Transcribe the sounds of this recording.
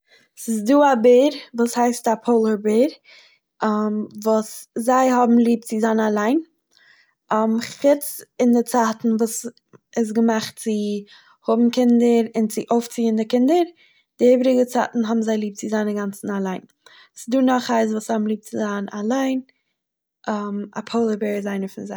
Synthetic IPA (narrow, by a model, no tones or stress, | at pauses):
sɪsduːabɪɾvuːshaɪstapʰoʊlˠəɾbɪɾ | vuːszaɪɦɔbm̩lˠiːp̚t͡sɪzaːnalˠaɪn | mχɪt͡sɪndɪt͡saːtn̩vuːs | ɪs̬ɡəmaχt̚t͡sɪ | hʊbm̩kɪndəɾɪnt͡sɪʔoʊft͡siːəndɪkɪndəɾ | d̥ɪeɪbɾɪɡət͡sa̰tn̩ɦɔbm̩zaɪlˠiːp̚t͡sɪzaɪnəɡant͡sn̩alˠaɪnː | sɪduːnɔχaɪs̬vuːsɔbm̩lˠiːp̚t͡sɪzanalˠaɪn | ʔama̰pʰoʊlˠəbɪɾzaɪnəfɪnza